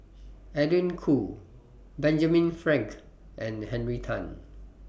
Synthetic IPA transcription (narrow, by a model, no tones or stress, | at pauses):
ɛdĩnkʰu | bɛ̃nd͡ʒamĩnfɹɛ̃ŋk | ʔɛ̃nhɛ̃nɹitʰãn